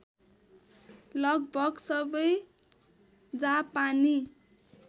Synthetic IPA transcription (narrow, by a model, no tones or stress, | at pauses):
lʌɡ̚bʱʌɡsʌbʌj | d͡zapani